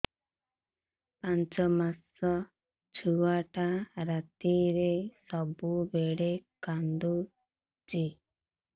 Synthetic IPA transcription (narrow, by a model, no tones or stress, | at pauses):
pãnt͡ʃɔmasɔ | t͡ʃʰuwaʈaɾat̪iɾesɔbubeɽekand̪u | t͡ʃi